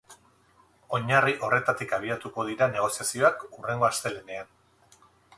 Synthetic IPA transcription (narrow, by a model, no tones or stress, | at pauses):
o̞ɲariʔo̞re̞t̪at̪ikaβ̞iat̪uko̞ð̞iɾane̞ɣ̞o̞siasio̞akure̞ŋɡo̞ast̪e̞lene̞an